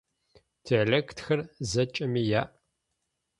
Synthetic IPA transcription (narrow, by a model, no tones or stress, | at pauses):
tʰeleːkʰtʰxɐrzɐt͡ʃʼɐmiːjaːʔ